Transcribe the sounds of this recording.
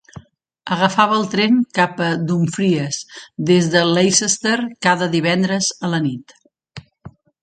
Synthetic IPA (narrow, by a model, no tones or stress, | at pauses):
əɣəfaβəːlˠt̪ɾenkapəd̪uɱfɾiəsd̪ezðəlejsəst̪erkaðəðiβ̞ɛnd̪ɾəzələnit̪